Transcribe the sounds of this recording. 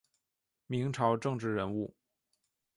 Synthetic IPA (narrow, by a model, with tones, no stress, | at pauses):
mi˧˥ŋʈ͡ʂʰɑ˧˥ʊʈ͡ʂɤ˥˧ŋʈ͡ʂɻ̩˥˩ɻə˧˥nu˥˩